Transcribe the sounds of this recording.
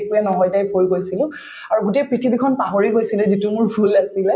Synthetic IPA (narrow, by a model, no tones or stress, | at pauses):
kujanɔɦɔjtajbʰʱojɡojsilʊ̃ | aɹuɡutejpɹitʰibikʰɔnpaɦoɹiɦojsilɛzitumʊɹpʰulasilɛ